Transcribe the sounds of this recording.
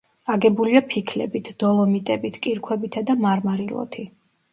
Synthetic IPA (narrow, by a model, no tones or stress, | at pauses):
aɡɛbuliapʰikʰlɛ̰bit̪ʰd̪̥ɔlˠɔmit̪ʼɛbit̪ʰkʼiɾkʰwɛbit̪ʰad̪amaɾmaɾilˠɔ̰t̪ʰi